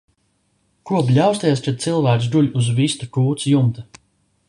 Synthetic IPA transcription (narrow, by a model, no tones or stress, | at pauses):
kuɔpʎʲawst̪ajɛst͡ʃɛt̪t̪silˠvæːks̬d̪uʎʲuzvist̪ukuːt̪sjumt̪a